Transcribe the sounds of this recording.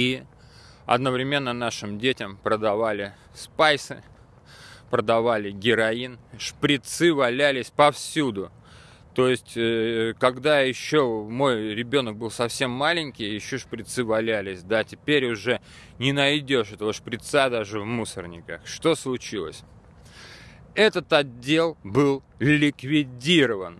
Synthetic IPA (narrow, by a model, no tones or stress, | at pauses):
i | ɐ̰d̪nəvɾʲɪmʲe̞nːənaʂɨmdʲetʲɪmpɾəd̪ɐvalʲɪ | spajsɨ | pɾəd̪ɐvalʲɪɡʲɪɾɐinʂpɾʲɪt̪sɨvɐlʲælʲɪsʲpɐfsʲud̪ʊ | t̪o̞jɪsʲtʲkɐɡd̪ajɪɕːo̞mo̞jɾʲɪbʲo̞nək̚bɨlˠsɐfsʲe̞mːalʲɪnʲkʲɪjjɪɕːo̞ʂpɾʲɪt̪sɨvɐlʲælʲɪsʲd̪atʲɪpʲeɾʲʊʐɛ | nʲɪnɐjdʲo̞ʂɛt̪əvəʂpɾʲɪt̪sad̪aʐɨvmusərnʲɪkəʂt̪o̞slˠʊt͡ɕilˠə̰sʲ | ɛt̪ət̪ɐdʲːe̞lˠbɨlˠ | lʲɪkvʲɪdʲiɾəvən